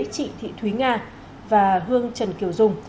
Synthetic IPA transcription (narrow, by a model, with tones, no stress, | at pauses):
t͡ɕḭ˧˨t̪ʰḭ˧˨t̪ʰwi˨˦ŋaː˧ | vaː˨˩ɦɨ˧əŋt͡ɕə˨˩nki˨˩əwzʊ˨˩ŋ͡m